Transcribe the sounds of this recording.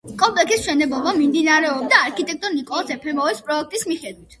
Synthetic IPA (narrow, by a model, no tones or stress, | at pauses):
kʼɔmpʼlɛksism̥ʃɛnɛblˠɔbamimd̪inaɾɛɔb̚d̪aːɾkʰit̪ʼɛk̚t̪ʼɔɾnikʼɔlˠasɛpʰɛmɔɛspʼɾɔɛk̚ʰt̪ʼismiχɛd̪wit̪ʰ